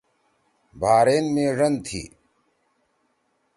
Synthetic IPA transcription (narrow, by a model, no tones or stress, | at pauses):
bʱaːɾeːnmẽːʐɐnd̪t̪ʰḭː